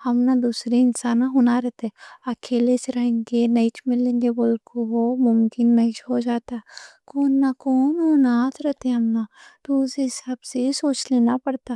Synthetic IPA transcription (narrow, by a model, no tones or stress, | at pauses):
hɐmnad̪uːsɾeɪnsaːnaɦoːnaɾɛt̪ɛːɐkʰeːleseɾɐɦẽŋɡenɐit͡ʃmɪlẽːŋɡeboːlkoɦomʊmkɪnːɐĩt͡ʃɦod͡ʒaːt̪akoːnːakoːnɦoːnaːt̪ɾɛt̪ẽɦɐmnat̪osesəbsesoːt͡ʃleːnapɐɽt̪a